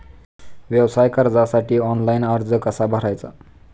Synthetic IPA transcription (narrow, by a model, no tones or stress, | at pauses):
wjewsajkʌɾd͡zasaʈʰiɔnlajnʌɾd͡zʌkʌsabʱʌɾajt͡sʰʌ